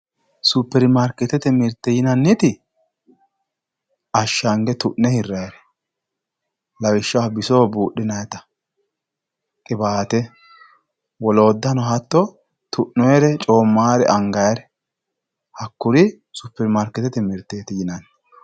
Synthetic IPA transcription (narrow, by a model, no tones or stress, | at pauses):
sʊpːɛɾmaɾkːɛt̪ːɛt̪ɛmɪɾt̪ːɛjɪnɐnːɪt̪ɪ | ɐʃːaŋɡɛt̪ʊʔnːɛhɪrːɐjɐɾɛ | lɐwɪʃːɐwɐbɪsoːbuːɗːɪnɐjɐt̪ɐ̥ | kʼɪbaːt̪ɛ | wɔloːd̪ːɐnɔhɐt̪ːɔ | t̪ʰʊʔːɔjɛɾɛt͡ʃʼo̞ːmːaːɾɛ̰ʔɐŋɡɐjɐɾɛ | hɐkːʊɾɪ | sʊpːɛɾmaːɾkːɛt̪ɛt̪ɛmɪɾt̪ːeːt̪ɪjɪnɐnː